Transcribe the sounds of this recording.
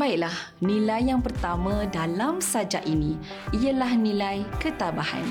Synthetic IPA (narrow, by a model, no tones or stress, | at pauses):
baɪk̚lah | nĩlajːaŋpərt̪amãdalamsad͡ʒaʔinĩ | ijalahnĩlajkət̪abaha̰n